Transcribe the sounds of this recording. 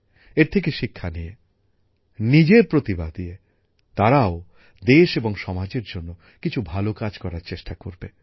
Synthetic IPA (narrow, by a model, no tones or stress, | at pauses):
eɾt̪ʰek̬eʃikʰːanije | nid͡ʑeɾpɾot̪ibad̪ije | t̪aɾao | d̪eʃeboŋʃɔmad͡ʑeɾd͡ʑonːo | kit͡ɕʰubʱalokad͡ʑkɔɾaɾt͡ɕeʃʈakoɾbe